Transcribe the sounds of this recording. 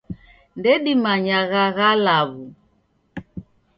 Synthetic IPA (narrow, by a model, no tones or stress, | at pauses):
ndɛɗimaɲaɣaɣalaβu